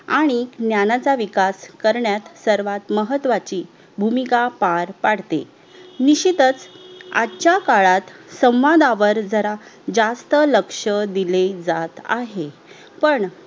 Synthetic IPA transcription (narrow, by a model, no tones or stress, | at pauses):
aɽ̃injanat͡saʋikaskəɾɳjat̪səɾʋat̪məɦət̪ːʋat͡ɕiː | bʱumikapaɾpaɽ̤t̪ḛ | niɕit̪ət͡sa̰t͡ɕakaɭat̪sə̃w̃ʋad̪aʋəɾd͡zəɾad͡zast̪ələkʂəd̪iled͡zat̪a̰ɦe | pəɳ